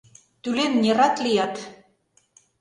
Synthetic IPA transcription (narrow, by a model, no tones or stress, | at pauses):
t̪ulenːʲirɑt̪lijɑt̪